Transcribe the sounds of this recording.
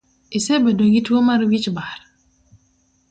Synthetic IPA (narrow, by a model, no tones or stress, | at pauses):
ʔisɛbɛdoɡitwomaɾwit͡ʃbaɾ